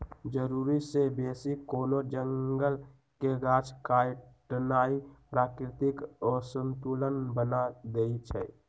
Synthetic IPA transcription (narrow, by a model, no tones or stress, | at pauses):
d͡ʒəɾuɾisebeːsikoːnod͡ʒəŋɡəl | keɡat͡ʃʰkajʈənaːipɾaːkɾɪt̪ɪkɔːɾsənt̪uːlənbənad̪eit͡ʃʰɛː